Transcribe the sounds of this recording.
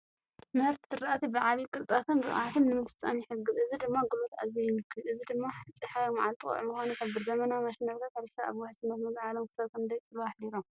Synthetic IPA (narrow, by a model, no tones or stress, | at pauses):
mɐɾt̪sɨɾaʔat̪ʰibɨʕaβikʼɨlt̪ʼat̪ʰɨnbɨχʼa̰ʕat̪ʰɨnnɨmɐfɨ̥t͡sʼːa̰mijɪħɨɡɨzɨzid̪ɨmːaɡɨlot̪a̰zijmɨkʰːɨlʔɨzid̪ɨmːaħɨt͡sʼiħajmʕalt̪ʼɨkʼɐ̰ʕmɨxanuħɐbɨɾzɐmɐnamɐʃnɐɾkʰat̪haɾʃaaβwaħsɨnːɐt̪mɐzʕalomkʰɨ̥sɐβkʰɨnd̪ɐjt͡sʼɨβaħliɾom